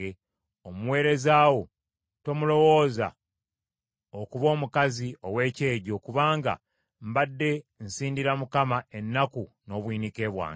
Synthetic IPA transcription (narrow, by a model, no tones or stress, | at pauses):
e | omuwe̞ːɾe̞zaːwo̞ | to̞mulo̞wo̞ːza̰ | okuβo̞ːmukazio̞we̞ːce̞ːɟo̞kuβaːŋɡa̰ | mbadːe̞n̩siːndiɾamukamae̞nːakuno̞ːβwiːnike̞ːβwa̰ː